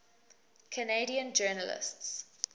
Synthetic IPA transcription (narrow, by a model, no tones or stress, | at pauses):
kʰəneɪɾiə̃nd͡ʒɜːnəlɪ̰sts